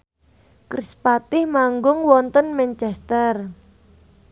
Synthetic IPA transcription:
kɾispat̪ɪhmaŋɡʊŋwɔnt̪ənmɛnt͡ʃɛst̪ər

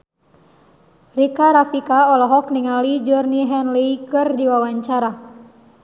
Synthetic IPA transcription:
rikaɾafikaɔlɔɦɔk̚niŋalid͡ʒɔrniɦɛnliikɨrdiwawaɲt͡ʃaɾa

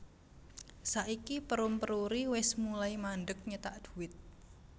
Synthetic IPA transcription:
saʔikipəɾʊmpəɾuɾiwɪsmulaimanɖək̚ɲət̪aʔd̪̥ṳwɪt̪̚

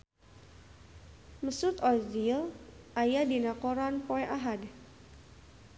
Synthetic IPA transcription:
məsʊt̪ɔzilʔajadinakoɾanpoɛʔaɦad

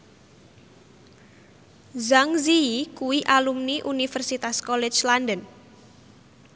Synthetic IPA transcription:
zaŋziikuwiʔalumniʔunifɛrsit̪askɔlɛt͡ʃlandən

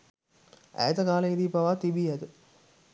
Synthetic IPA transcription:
æ̰jt̪əɡaːləid̪iːpaʋat̪ibiɛt̪ə

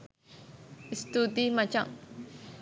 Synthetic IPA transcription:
ist̪ud̪imat͡ʃa̰ŋ

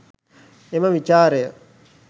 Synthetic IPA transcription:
eməʋit͡ʃaːɾejə

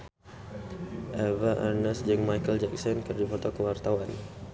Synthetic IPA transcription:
ʔɛvaʔarnəsd͡ʒəŋmajkəld͡ʒɛk̚sɔnkərdifot̪okəwart̪awan

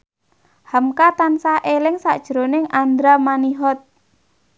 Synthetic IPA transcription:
hamkat̪ansahʔelɪŋsa̰d̥ʒ̥ɾonɪŋand̪ɾamaniɦɔt̪̚

